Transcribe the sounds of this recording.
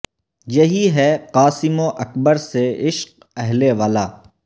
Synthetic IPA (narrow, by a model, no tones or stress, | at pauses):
jɐɦiɦɛqaːsɪmoʔɐkbəɾseɪʃq̚ | ɛɦleʋaːlaː